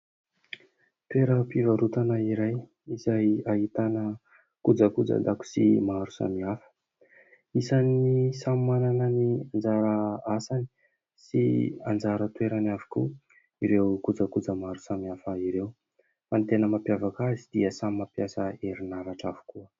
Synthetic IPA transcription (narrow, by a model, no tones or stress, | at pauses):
t̪weɾəpivaɾut̪anəiɾaj | izajaɦit̪anə | kud͡zəkud͡za̰d̪aku̥simaɾusa̰miafə̥ | isanisammananəniand͡zaɾəasani̥ | sḭa̰nd͡zaɾət̪weɾanavi̥ku | iɾewkud͡zakud͡zəmaɾu̥samiafəiɾew | ant̪enəmapjavakazid̪̥iəsamimapjasəeɾinavaʈ͡ʂavu̥kuə